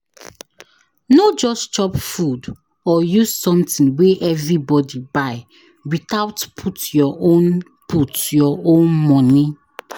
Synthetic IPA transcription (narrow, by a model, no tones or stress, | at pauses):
nod͡ʒɔst͡ʃɔpfud | ɔjuzsɔ̃mtĩnweʔɛvɹibɔdibaɪ | wiθaʊtpʰutjɔʔõn | pʰutjɔʔõnmɔ̃ni